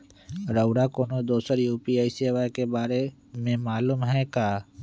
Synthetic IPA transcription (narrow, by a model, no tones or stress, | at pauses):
ɾəʊɽakoːnod̪oːsəɾjuːpiaːiseːʋajkebaːɾe | mẽmaːluːmɦɛ̃kaː